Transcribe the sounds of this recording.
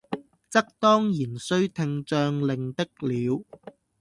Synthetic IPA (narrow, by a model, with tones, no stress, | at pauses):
t͡sɐ˥k̚t̪ɔː˥ŋjiː˨˩nsɵ˥ɥt̪ʰɪ˧ŋt͡ʃœː˧ŋlɪ˨ŋt̪ɪ˥k̚liː˨˧w